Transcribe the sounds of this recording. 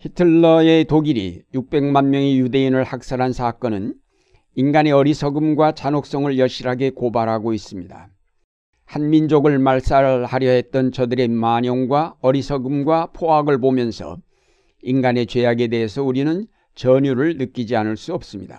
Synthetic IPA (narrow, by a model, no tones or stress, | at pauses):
hitʰɯɭːʌetoɡiɾḭjuk̚p͈e̞ŋmanmjʌŋejude̞inɯɭhak̚s͈aɾɦansʰak͈ʌnɯn | inɡane̞ʌɾisʰʌɡɯmɡwat͡ɕanok̚s͈ʌŋɯɭjʌɭɕ͈iɾɦaɡe̞kobaɾɦaɡois͈ɯmɲida̰ | hanmind͡ʑoɡɯɭmaɭs͈ahaɾjʌɦe̞t̚t͈ʌnt͡ɕʌdɯɾe̞maɲʌŋɡwaʌɾisʰʌɡɯmɡwapʰoɦaɡɯɭpomjʌnsʰʌ̰ | inɡane̞t͡ɕwe̞jaɡe̞de̞ɦesʰʌuɾinɯn | t͡ɕʌɲuɾɯɭnɯk͈id͡ʑianɯɭs͈uʌp̚s͈ɯmɲida̰